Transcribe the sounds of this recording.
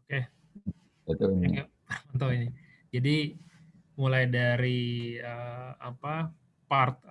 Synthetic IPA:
oke | at̪anakapərmant̪awini | d͡ʒadi | mulajdaɾiəa̰pa | part̪̚

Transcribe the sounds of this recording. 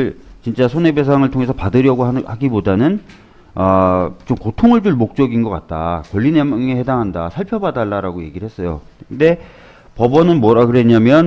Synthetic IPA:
ɭt͡ɕint͡ɕ͈asʰone̞be̞s̬ʰaŋɯɭtʰoŋe̞sʰʌpadɯɾjʌɡohaɡibodanɯn | ʌt͡ɕomkotʰoŋɯɭd͡ʑuɭmok̚t͡ɕ͈ʌɡinɡʌk͈at̚t͈a̰kwʌʎːineŋehe̞daŋɦandasʰaɭpʰjʌbadaɭːaɾaɡoje̞ɡiɾɭhe̞s͈ʌjo̰ | nde̞ | pʌbʌnɯnmwʌɾakɯɾe̞ɲamjʌn

